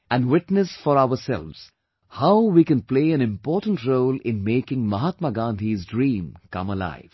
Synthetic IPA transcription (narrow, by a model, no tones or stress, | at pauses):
æ̃nɖwɪʈnəsfɔɾaʊəsɛ̰lʋz̥ | haʊwikɛ̃npleɪæ̃nɪ̃mpɔːʈə̃nʈɾoːlɪ̰̃nmeːkɪ̃ŋmʌɦaːt̪maɡãːnd̪ʱizdɾĩːmkʌ̰̃məla̰ɪʋ̥